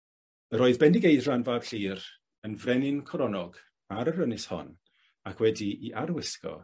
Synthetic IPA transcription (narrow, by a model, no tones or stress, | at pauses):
əɾɔːɨðbɛndɪɡejðranvaːb̥ɬiːr | ənvrɛnɪnkʰɔɾɔnɔɡ̥ | aɾərənɪshɔ̰n | akʰwɛdiiʔaɾwɪskɔ̰